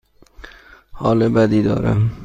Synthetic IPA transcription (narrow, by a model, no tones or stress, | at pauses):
hɒːlɪbad̪id̪ɒ̰ːɾa̰m